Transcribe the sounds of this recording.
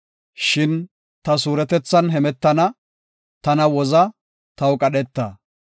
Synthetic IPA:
ʃɪn | t̪ɐs̬uːɾɛt̪ɛt͡sːɐnɦɛmɛt̪ːɐnɐ | t̪ɐnɐwɔzɐ | t̪ɐwkʼɐɗɛt̪ːɐ

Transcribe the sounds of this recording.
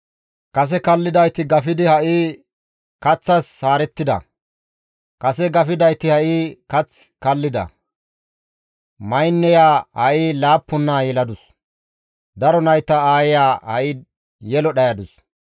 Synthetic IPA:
kɐs̬ɛkɐlːɪd̪ɐjt̪ːɪɡɐfɪd̪ɪhɐʔiː | kɐt͡sːɐsːaːɾɛt̪ːɪd̪ɐ̰ | kɐsɛɡɐfɪd̪ɐjt̪ːɪhɐʔiːkɐt͡sːkɐlːɪd̪ɐ̰ | mɐjnːɛjaːhɐʔiːlaːpːʊnːaːjɛlɐd̪ʊs | d̪ɐɾɔnɐjt̪ːɐaːjɪjaːhɐ̰ʔɪ | jɛlɔɗɐjɐd̪ʊs

